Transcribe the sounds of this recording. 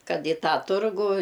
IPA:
ˈkɐt ɪ ˈtɑː ˈtʊrɡuː

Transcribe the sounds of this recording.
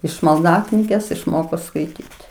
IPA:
ɪʃ mɐlˠˈdɑːknʲiːɡʲeːs ɪʃˈmoːkoː skɐɪˈtʲiːtʲɪ

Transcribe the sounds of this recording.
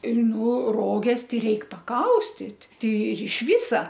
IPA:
ɪr ˈnʊ ˈroːɡʲɛs ˈtɐɪ ˈrʲɛɪk pɐˈkɐʊsʲtʲɪt ˈtʲɛɪ ɪr ɪʃ ˈʋʲɪsɐ

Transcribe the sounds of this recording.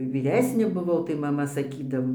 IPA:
ʋʲiːˈrʲæːsʲnʲeː bʊˈʋɐʊ tɐɪ mɐˈmɐ sɐˈkʲiːdɐʋoː

